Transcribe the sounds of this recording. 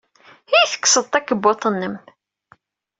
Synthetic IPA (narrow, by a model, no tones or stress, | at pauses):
iθə̥kːsəðˤt̪ækːəbːot̪ˤənːəm